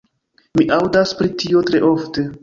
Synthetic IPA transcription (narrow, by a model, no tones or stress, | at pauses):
miʔawdaspɾitio̞tɾe̞ʔo̞fte̞